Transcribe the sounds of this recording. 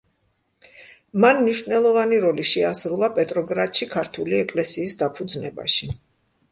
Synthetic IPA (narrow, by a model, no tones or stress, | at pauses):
manmniʃvnɛlˠɔvaniɾɔliʃɛasɾulˠapʼɛt̪ʼɾɔɡɾat̪ʼʃikʰaɾt̪ʰuliɛkʼlɛsiːsd̪apʰud̪znɛba̰ʃi